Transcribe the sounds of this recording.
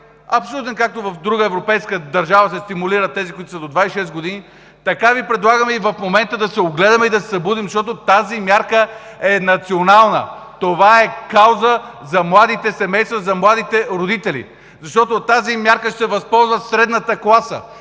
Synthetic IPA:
ɐpsout̪ɛnkak̚t̪ovɐfd̪ɾuɡəɛvɾopɛjskəd̪ɐɾʒavəsɛst̪imuliɾət̪ɛzikʊit̪ʊsɐd̪od̪vaisʃɛst̪ɡod̪ini | t̪ɐkavipɾɛd̪lˠaɡəmɛivɐfmomɛnt̪əd̪ɐsɛoɡlɛd̪ɐmɛid̪ɐsɛ̥sɐbud̪imzɐʃt̪ɔt̪ot̪azimjaɾkə | ɛnɐt̪sionalˠnə̰t̪ovaɛkawzəzɐmlˠad̪it̪ɛsɛmɛjst̪vəzɐmlˠad̪it̪ɛɾod̪it̪ɛlḭ | zɐʃt̪ɔt̪ot̪azimʲjaɾkəʃt̪ɛvɐspɔlˠzvət̪sɾɛd̪nət̪əklˠasə̰

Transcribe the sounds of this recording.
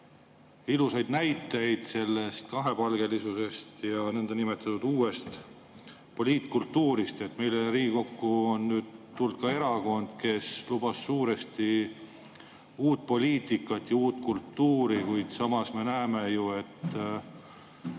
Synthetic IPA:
ilusɑjd̪̥næjt̪ːˑe̞jd̪̥se̞lːe̞st̪̚kɑɦe̞pɑlɡ̥e̞lisuse̞st̪jɑnend̪ɑnime̞t̪ːˑɑt̪ːud̪̥uːe̞st̪ | po̞lʲiːt̪kult̪ːuːɾist̪e̞t̪ːme̞jleriːɡiko̞kːuonːyːd̪̥t̪ːuld̪̥̚kɑe̞ɾɑko̞nd̪̥ke̞slub̥ɑsːuːɾe̞st̪i | uːt̪̚po̞lʲiːt̪ˑikːˑɑt̪jɑuːt̪ːkult̪ːuːɾikujd̪̥sɑmɑsme̞næemejue̞t̪ː

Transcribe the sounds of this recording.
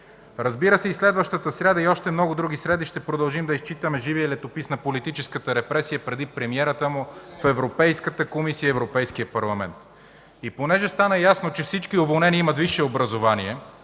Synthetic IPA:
ɾɐzbiɾəsɛislɛd̪vɐʃt̪ət̪əsɾʲad̪ɐiɔʃt̪ɛmnɔɡʊd̪ɾuɡisɾɛd̪iʃt̪ɛpɾod̪ɐlˠʒimd̪ɐist͡ʃit̪əmɛʒiviəilɛt̪opisnɐpolit̪it͡ʃɛskət̪əɾɛpɾɛsijəpɾɛd̪ipɾɛmiɛɾət̪əmʊfɛvɾopɛjskət̪əkomisiəiɛvɾopɛjskijəpɐɾlˠɐmɛnt̪ | iponɛʒɛst̪anɐjasnot͡ʃɛfsit͡ʃkiovolˠnɛniimɐt̪viʃɛobɾɐzovaniɛ

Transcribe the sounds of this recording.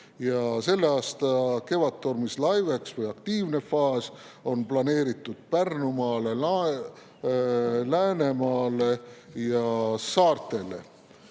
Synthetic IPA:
jɑse̞lːeɑːst̪ɑke̞vɑt̪ːˑormislɑjveksvɤjɑkt̪iːvne̞fɑːs | o̞nplɑne̞ːɾit̪ːˑud̪̥̚pærnumɑːle̞l | læːne̞mɑːlejɑsɑːrt̪ˑe̞le̞̰

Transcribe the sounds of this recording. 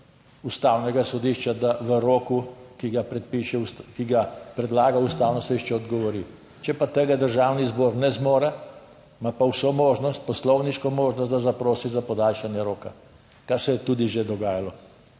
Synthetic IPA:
ust̪awnɛɡasɔd̪iʃt͡ʃad̪aʋəɾoːkukiɡapɾɛt̪̚piʃɛskiɡapɾɛd̪laːɡaust̪aːwnɔsɔd̪iʃt͡ʃɛɔd̪ɡɔʋɔɾi | t͡ʃɛpat̪əɡad̪əɾʒaːwnizbɔːɾnɛzmoːɾa | mapawsomoːʒnɔst̪̚pɔslɔwniʃkɔmoːʒnɔst̪d̪azapɾoːsizapɔd̪aːlʃanjɛɾoːka | kaɾsɛjɛt̪ud̪iʒed̪ɔɡaːjalɔ

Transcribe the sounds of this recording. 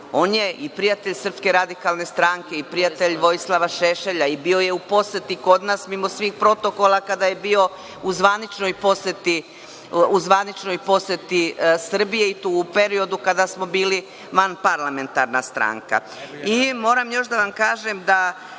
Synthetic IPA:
o̞ːnje̞ipɾijat̪eʎsər̩pske̞ɾad̪ikalˠne̞st̪ɾaŋke̞ipɾijat̪eʎʋo̞jislˠaʋaʃeʃeʎaibio̞je̞upo̞set̪iko̞d̪nasmimo̞sʋiːxpɾo̞t̪o̞ko̞lˠakad̪ajebio̞ | uzʋanit͡ʃno̞jpo̞set̪i | uzʋanit͡ʃnojpo̞set̪isr̩bije̞it̪uːpe̞ɾio̞d̪ukad̪asmo̞biːli | ʋanpaɾlˠame̞nt̪aɾnast̪ɾa̰ːŋka̰ | imo̞ːɾamjo̞ʃd̪aʋamkaːʒemd̪a

